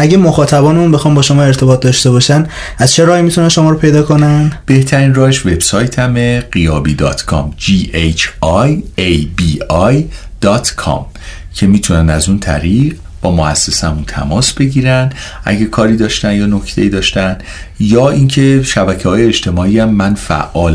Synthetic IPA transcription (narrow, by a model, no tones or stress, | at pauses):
ʔæɟemoxɒːt̪ʰæbɒːneunbexɒːnbɒːʃo̞mɒːe̞ɾt̪ʰe̞bɒːt̪̚d̪ɒːʃt̪e̞bɒːʃæn | æzt͡ʃʰe̞ɾɒːhimit̪ʰunænʃo̞mɒːɾopʰe̞jd̪ɒːko̞nænb̥e̞ht̪ʰæɾiːnrɒːheʃve̞bsɒːjt̪ʰæmeɢijɒːbiːd̪ɒ̰ːt̪kʰɒ̰ːmd͡ʒiːet͡ʃʰɒjejbiːɒjd̪̥ɒːt̪ʰkʰɒ̰m | cʰe̞miːt̪ʰunænæzunt̪ʰæ̰ɾiːʁ | b̥ɒːmoæsːesæmunt̪ʰæ̰mɒːsb̥e̞ɟiːɾænd̪ʔæ̰ɟekʰɒːɾiːd̪ɒːʃt̪ænd̪jɒːno̞cʰt̪ʰe̞̰iːd̪ɒːʃt̪æn | jɒːincʰe̞ʃæbæcʰehɒːjeːt͡ʃt̪ʰe̞mɒːiːæmːænfæ̰ʔɒːl